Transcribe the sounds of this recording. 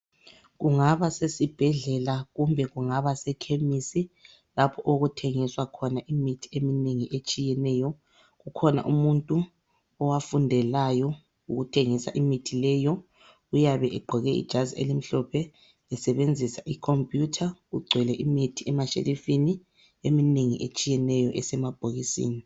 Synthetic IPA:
ɣuŋaβasesib̥ʱɛɮɛlaɣumbʱɛɣuŋaβasɛkʰemisi | lapʰɔʔoɣutʰeŋiswakʰɔnaʔimitʰi̥emineŋiʔet͡ʃʼijɛnɛjɔ | ɣukʰɔna̰ʔumuntʼu | ɔwafundʱɛlajɔ | uɣutʰeŋisa̰ʔimitʰilɛːjɔ | ɣujaβɛʔɛɡ͡ǃʱɔɣɛḭd̥ʒ̥ʱaziḛlim̩ɬɔpʰɛ | lɛsɛβend͡zʱisaʔikʰompʼjutʰaɣuɡ͡ǀʱwɛlɛʔimitʰiɛmaʃḛlifini | emineŋḭʔet͡ʃʼijɛnɛjɔʔɛsɛmab̥ʱoɣisḭːni

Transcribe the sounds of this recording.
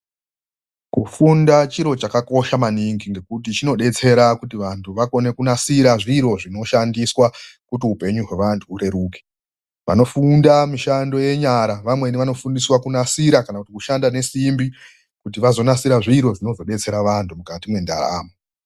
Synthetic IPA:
kufundat͡ʃiɾo̞t͡ʃakako̞ʃamaniŋɡiŋɡe̞kut̬it͡ʃino̞ɗe̞t͡se̞ɾakutiʋantʰuʋako̞ne̞kunasiɾaʐiɾo̞ʐino̞ʃandiswakutiupe̞ɲuɦwe̞ʋantʰuːɾe̞ɾuːke̥ | ʋa̰no̞fundamiʃando̞je̞ɲaɾaʋamwe̞niʋano̞fundiswakunasiɾakanakutikuʃandane̞simbi | kutiʋazo̞nasiɾaʐiɾo̞ʐino̞zo̞ɗe̞t͡se̞ɾaʋantʰumukatimwe̞nda̰ra̰ːmo

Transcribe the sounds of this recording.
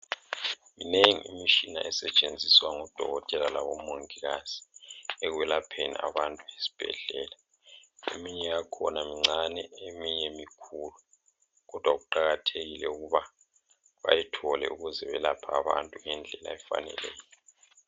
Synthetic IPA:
mineŋḭḭmit͡ʃina̰ʔɛsɛt͡ʃʼend͡zʱiswaŋɔd̥ʱɔ̰ɣɔtʼɛlalaβɔmoŋiɣaz̥i̥ɛɣuwɛlapʰenḭa̰βantʼuesi̥b̥ʱɛ̰ɮɛːla | ḛmiɲɛjakʰɔnamiŋ͡ǀanɛemiɲɛmikʰulu | ɣɔd̥ʱwaɣuǃaɣatʰeɣilɛuɣuβa | βa̰jitʰɔlɛ̰uɣuzɛβɛlapʰaːβa̰ntʼuŋɛnd͡ɮʱɛla̰ɛfa̰nɛ̰lɛːjɔɔ

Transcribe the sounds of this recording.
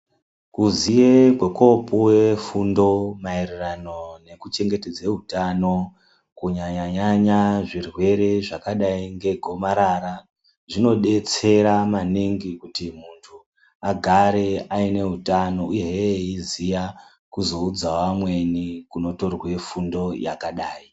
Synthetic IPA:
kuziekwe̞ko̞pʰowefundo̞mairirano̞ne̞kut͡ʃe̞ŋɡe̞te̞d͡zeɦutano̞ | kuɲaɲaɲaɲaʐirwe̞ɾe̞ʐakaɗaiŋɡe̞ɡʱo̞maɾaɾa | ʐino̞ɗe̞t͡se̞ɾamaniŋɡikutimuntʰu | aɡʱaɾe̞aine̞ɦutano̞ujeeizija | kuzo̞ud͡zawamwe̞nikuno̞to̞rwe̞fundo̞ja̰kaɗaːi

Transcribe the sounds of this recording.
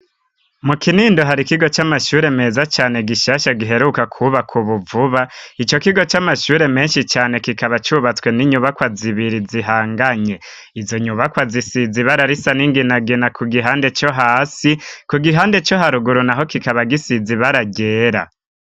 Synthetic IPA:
mukiniːndoɦaɾikiɡo̞t͡ʃamaʃuːɾe̞me̞ːzat͡ʃaːne̞ɡiʃaːʃaɡiɦe̞ɾukakʰuβakʰuβuvuβait͡ʃo̞kiɡo̞t͡ʃamaʃuːɾe̞me̞ːnʃit͡ʃaːne̞kikaβat͡ʃuβat͡swe̞niɲuβakwaziβiɾiziɦaːŋɡaɲe̞ | izo̞ɲuβakwazisiziβaɾaɾisaniŋɡinaɡinakʰuɡiɦaːnde̞t͡ʃo̞ɦaːsikuɡiɦaːnde̞t͡ʃo̞ɦaɾuɡuɾunaɦo̞kikaβaɡisiziβaɾaɡe̞ːɾa̰

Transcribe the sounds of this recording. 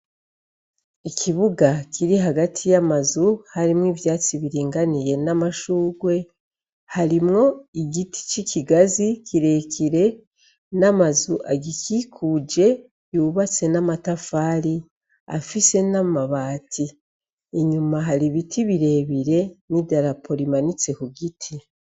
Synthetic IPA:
ikʰiβuɡakʰiɾiɦaɡatʰijamazuhaɾimŋiːvjaːt͡siβiɾiːŋɡanije̞namaʃuːɡwe̞ | haɾimŋo̞iɡitʰi̥t͡ʃiciɡazikiɾe̞kʰiɾe̞ | namazuʔaɡikʰikʰud͡ʒe̞ | juβat͡se̞namatafaːɾi | a̰fise̞namaβaːtʰiː | ɲumaɦaɾiβitʰiβiɾe̞βiɾe̞nidaɾapʰo̞ɾimanit͡se̞kuɡitʰi

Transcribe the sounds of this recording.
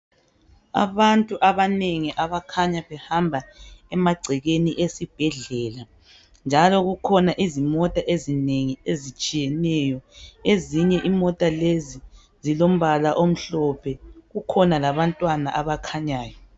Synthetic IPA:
a̰βantʼuʔaβaneŋiʔaβakʰaɲaβɛhambʱaɛmaɡ͡ǀʱɛɣeniʔesib̥ʱɛɮɛːla | nd͡ʒʱalɔɣukʰɔnaʔizimɔtʼaʔezineŋiezit͡ʃʼijɛnɛjɔeziɲɛʔimɔtʼalezi | zilom̩βalaʔom̩ɬɔpʰɛɣukʰɔnalaβantʼwanaʔaβakʰaɲaːjɔ

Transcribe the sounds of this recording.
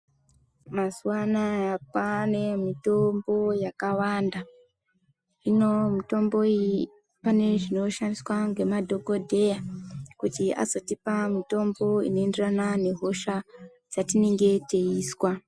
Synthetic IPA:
masuwanaapane̞mito̞mbo̞jakawanda | ino̞mito̞mbo̞i | pane̞ʐino̞ʃandiswaŋɡe̞madʱo̞ɡo̞dʱe̞jakutia̰zo̞tipamito̞mbo̞ḭno̞enderanane̞ɦo̞ʃa | d͡zatine̞ŋɡe̞te̞iːswa

